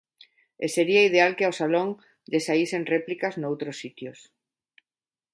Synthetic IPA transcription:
eseɾiaið̞ealkeosaloŋ | ʎesaiseŋreplikaznowt̪ɾosːit̪jʊs

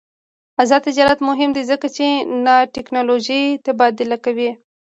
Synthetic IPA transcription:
azɑd̪t̪ɪd͡ʒɑɾat̪mʊɦɪmd̪izəkat͡ʃenaʈɪknɑloʒit̪ebɑd̪ɪlakawi

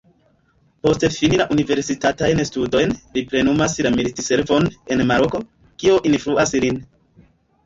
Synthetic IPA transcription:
po̞ste̞finilaʔunive̞ɾsitatajnstudo̞jnlipɾe̞numaslamilitise̞ɾvo̞ne̞nmaɾo̞ko̞ | kio̞ʔinfluʔaslin

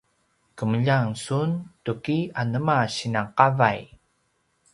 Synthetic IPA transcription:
kəməʎaŋsuntukianəmaɕinaqavaj

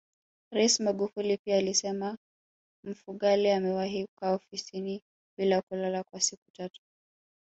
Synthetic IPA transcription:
ɾaismaɠufulipiaːlisɛma | m̩fuɠaliamɛwaɦikaɔfisini | ɓilakulalakwasiku̥tatu̥

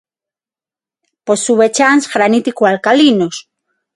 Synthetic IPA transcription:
posːuβet͡ʃansxɾanit̪ikwalkalinos

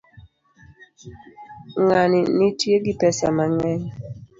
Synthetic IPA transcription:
ŋaninitjeɡipɛsa̰maŋɛŋ

